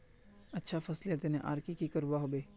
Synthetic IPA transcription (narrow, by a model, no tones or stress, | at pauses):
ɐtːʃʰafɐslet̪eneʔa̰ːɾkikikɐɾʋaɦobeː